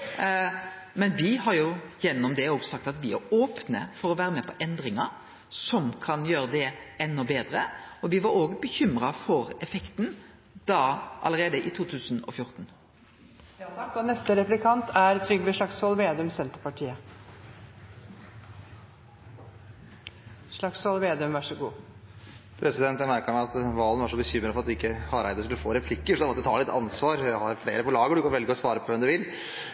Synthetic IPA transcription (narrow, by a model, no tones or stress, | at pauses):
mɛnʋɪɦɑɾjʊjɛnːɔmd̪ɛoːɡsɑk̚t̪ɑt̪ʋɪæɾoːpnə̰fɔɾɔʋæːɾəmɛpʰɔʔɛnd̪ɾɪŋɑɾ | sɔmkʰɑnjøːɾəd̪ɛɛnːɔbeːd̪ɾəɔʋɪʋɑɾoːɡəbəçʏmɾɑfɔɾɛfɛkt̪n | d̪̥ɑʔɑ̰ləɾeːd̪əʔɪt̪ʰuːt̪ʰʉːsənɔ̰fjʊɾt̪n̩ | ɔnɛst̪əɾɛplɪkʰɑnt̪ʰæɾt̪ʰɾʏɡʋɛʂɭɑksʋɔlʋeːd̪ʉmsɛnt̪əpɑʈʰiːə | ʂɭɑksʋɔlʋeːd̪ʉmʋæʂəɡṵː | pʰɾɛsɪd̪ɛnt̪ːjæmæɾkəmæɑt̪ʋɑːlənʋæʂɔbəçʏmːɾəfɔɾɑt̪ɪkːəhɑɾæɪd̪əskʉləfoːɾɛpʰlɪkːəʂɔd̪æʋɔt̪ɛt̪ʰɑ̰ːlɪt̪ʰːɑ̰nsʋɑːɾæhɑɾflḛːɾəpɔlɑːɡəɖʉkɑnʋɛlɪɡoːsʋɑːɾəpʰɔʋɛmd̪ʉʋɪl